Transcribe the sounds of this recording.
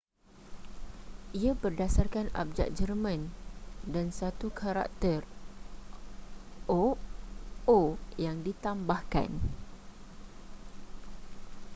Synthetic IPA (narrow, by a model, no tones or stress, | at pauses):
ʔiabərdasarkana̰p̚d͡ʒa̰ʔ̚d͡ʒərmãndansat̪ukʰaɾa̰k̚t̪ər | ʔo | ojaŋdit̪ambahka̰n